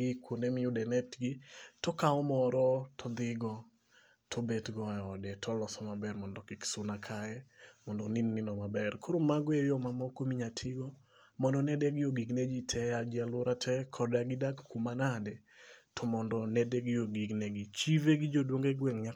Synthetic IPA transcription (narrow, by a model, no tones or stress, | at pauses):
ɡɪkwondɛmɪʊdɛnɛtɡɪtɔkaɔmɔɾɔtʰɔd̪ɪɡɔ | tʰɔbetɡɔɛɔdɛtʰɔlɔsɔmabɛɾmɔndɔkɪksʊnakʰajɛmɔndɔninːɪnɔmabɛrkʰoɾomaɡwejɔmamɔkomiɲatʰɪɡɔ | mɔndɔnɛdɛɡɪjoɡiɡned͡ʒitʰɛad͡ʒialwoɾatʰɛkʰɔdaɡɪdaɡkumanadɛ | tʰɔmɔndɔnɛdɛɡɪoɡiɡnɛɡɪt͡ʃiveɡɪd͡ʒodwoŋɡeɡwɛŋɲa